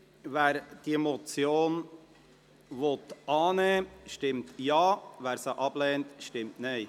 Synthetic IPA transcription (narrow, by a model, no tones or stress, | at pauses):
væːɾd̥iemot͡sjoːn | vot̪ʔɑːnəʃtɪmtjɑːvæːɾsaʔɑb̥leːntʃtɪmtnaɪ